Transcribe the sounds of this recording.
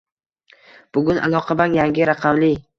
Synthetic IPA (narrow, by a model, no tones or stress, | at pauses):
b̥ʊɡʲʊnʔa̰lˠɒqʰɑbanjaŋɡʲɪɾaqʰɑmlɪ